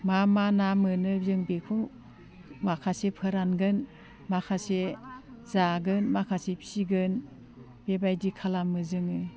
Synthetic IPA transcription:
mamanamɯnɯbjɯŋbekʰu | makʰasepʰɯɾanɡɯn | makʰasezaɡɯnmakʰasepʰsiɡɯn | b̥ebajdikʰalamɯzɯŋɯ

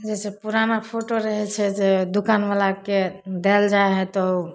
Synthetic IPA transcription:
d͡ʒɛsepuɾanapʰoʈoɾəɦɛt͡ʃʰɛd͡ʒed̪ukanʋalaked̪eld͡ʒaeɦɛt̪ɔu

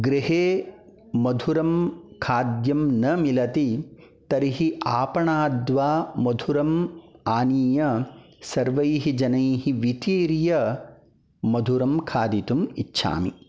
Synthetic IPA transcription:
ɡɾiɦeː | mɐd̪ʱuɾɐmkʰaːd̪jɐmnɐmilɐt̪i | t̪ɐɾiɦiʔaːpɐɳaːd̪ʋaːmɐd̪ʱuɾɐmaːniːjɐsɐɾʋɐjɦid͡ʒɐnɐjhiʋit̪iːɾjɐ | mɐd̪ʱuɾɐmkʰaːd̪it̪umḭtːʃʰa̰ːmi

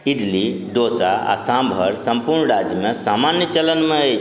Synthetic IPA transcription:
idlid̪oːsaa̰sãmbʱəɾsɐmpuɾɳɾad͡ʒmẽsamanjət͡ʃɐlənmẽe

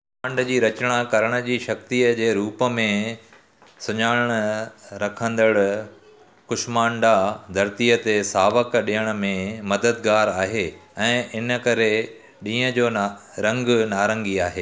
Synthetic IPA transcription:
mãːɳɖd͡ʑiːɾɐt͡ɕɽ̃akɐɾəɽ̃ə̆d͡ʑiːʃɐk̚t̪ijəd͡ʑeːɾuːpə̆mẽ | sʊɲaːɽɽ̃əɾɐkʰə̃nd̪əɽ | kʊʃmãːɳɖad̪ʱɐɾt̪iət̪esaːʋəkɗijəɽ̃ə̆mẽmɐd̪əd̪ɡaːɾaːɦeɛ̃ːʔɪnə̆kɐɾe | ɗĩːə̃d͡ʑoːɾɐ̃ŋɡnaːɾə̃ŋɡiaːɦeː

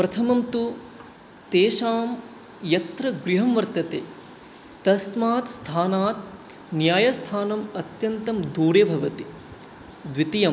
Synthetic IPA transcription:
pɾɐt̪ʰɐmɐmt̪u | t̪eːʃaːm | jɐt̪ɾɐɡɾiɦɐmʋɐɾt̪ɐt̪eː | t̪ɐsmaːt̪st̪ʰaːnaːt̪ | njaːjɐst̪ʰaːnɐmɐt̪jɐnt̪ɐmd̪uːɾeːbʱɐʋɐt̪i | d̪ʋit̪ijɐm

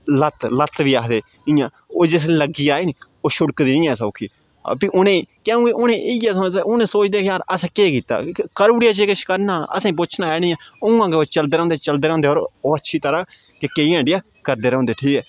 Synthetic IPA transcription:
lət̪lət̪ʋiːaːkʰd̪eː | ɪ̃ːjãː | oːd͡ʒɪs̬ːləɡiːaːeːniː | oːʃʊɽkd̪iːnĩːɛːsəːʊkʰḭː | piːʔʊnẽːkɛːũːkeʊnẽːʔɪjaːsõʊnẽːsoːt͡ʃd̪eːkjaːɾəsɛ̃ːkeːkiːt̪a̰ːkəɾuːɽɪjaːt͡ʃeːkɪt͡ʃʰkəɾnaːə̰sãĩːp̬ʊt͡ʃʰnaːɛːnĩːãːʊ̃ŋɡãːkeoːt͡ʃəld̪eːɾõːnd̪eːt͡ʃəld̪eːɾ̃ːnd̪eːoːɾoːətːʃʰiːt̪əɾaː | kekeiãːɖɪaː | kəɾd̪eːɾɦõnd̪eːʈʰiːkɛː

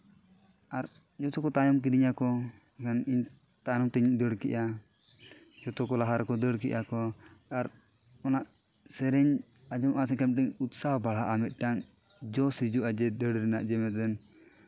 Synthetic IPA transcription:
aɾ | d͡ʒɔt̪ɔkɔt̪ajɔmk̬id̪iɲakɔ | kʰaniɲ | t̪ajɔmt̪ɛɲuʔd̪əɽkɛ̰ʔa | d͡ʒɔt̪ɔkɔlaɦaɾkɔd̪əɽkɛ̰ʔakɔaɾ | ɔnaʔ | sɛɾɛɲ | ad͡ʒɔmʔasɛkamʈɛɲut̪̚sahbaɭ̤aʔamɛt̪̚ˀʈaŋ | d͡ʒɔsid͡ʒuʔad͡ʒɛd̪əɽɾɛnaʔd͡ʒɛmɛt̪̚dɛn

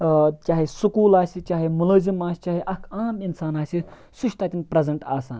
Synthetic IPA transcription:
t͡ʃʲaːɦisukuːlaːsit͡ʃaːɦimuləːzimaːsi̥t͡ʃaːɦiʔɐkʰaːminsaːnaːsi | suʃt̪aːt̪ʲinpɾɐzɐɳʈaːsaːn

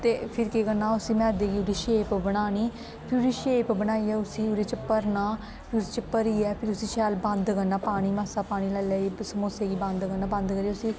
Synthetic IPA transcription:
t̪eːpʰɪɾkekənːaːʊsiːmɛ̃ːd̪eːɡiːʊɽiːʃeːpbəɽaːniː | pʰɪɾʊɾiːʃeːpbəɽ̃aːiːɛːʊsiːʊɾeːt͡ʃpəɾnaː | pʰɪɾʊsiːt͡ʃəpəɾiːɛːpʰɪɾʊsiːʃɛːlbənd̪kənːaːpaːɽ̃iːmaːsaːpaːɽ̃iːlələisəmoːseːɡiːbə̃nd̪kənːaːbənd̪kəɾiːʊsiː

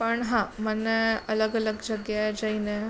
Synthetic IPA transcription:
pəɳɦãmənːeələɡələɡd͡ʑəɡjad͡ʑaine

